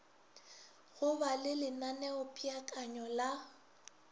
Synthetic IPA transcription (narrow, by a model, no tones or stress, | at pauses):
ɣʊbalɪlɪnanɛʊpʼiakʼaɲɔla